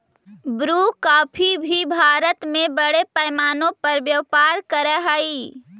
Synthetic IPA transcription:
bɾukaːpʰibʱibʱaːɾət̪mebəɽepəɪmaːnõpəɾʋjəʋpaɾkəɾɛɦəi

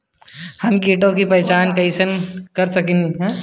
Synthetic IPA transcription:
hɐmkiːʈõkipɐːt͡ʃaːnkɐisənkɐɾsɐkĩniɦɛ̃ː

